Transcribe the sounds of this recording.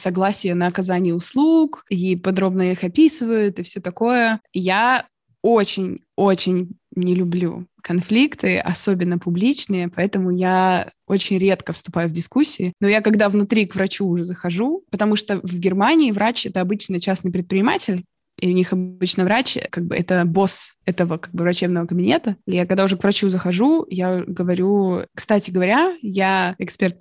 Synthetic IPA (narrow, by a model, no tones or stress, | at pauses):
sɐɡlˠasʲɪjənəːkɐzanʲɪjəʊslˠukipɐd̪ɾo̞bnəixɐpʲisɨvəjʊt̪ɨfsʲot̪ɐko̞jəja | ot͡ɕɪnʲ | ot͡ɕɪnʲnʲɪlʲʊblʲṵkɐnflʲikt̪ɨɐ̰so̞bʲɪnːəpʊblʲit͡ɕnɨjəpɐɛt̪əmʊja | ot͡ɕɪnʲɾʲe̞t̪kəfst̪ʊpajʊvdʲɪskusʲːɪɪnojakɐɡd̪avnʊt̪ɾʲikvɾɐt͡ɕuːʐɛzəxɐʐupət̪ɐmuʂt̪ovɡʲɪrmanʲɪːvɾat͡ɕɛt̪əɐbɨt͡ɕnɨjt͡ɕasnɨjpɾʲɪt̪̚pʲɾʲɪnʲɪmatʲɪlʲ | iʊnʲixɐbɨt͡ɕnɨvɾat͡ɕkaɡ̚bɨʔɛt̪əbo̞sɛt̪əvəkaɡ̚bɨvɾɐt͡ɕe̞bnəvəkəbʲɪnʲet̪əjakɐɡd̪aʊʐɛkvrɐt͡ɕuzəxɐʐujaɡəvɐɾʲukst̪atʲɪɡəvɐɾʲajaɛkspʲert̪̚